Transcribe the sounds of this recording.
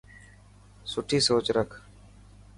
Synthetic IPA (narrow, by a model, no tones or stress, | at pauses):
sʊʈʰiːsoːt͡ʃɾəkʰ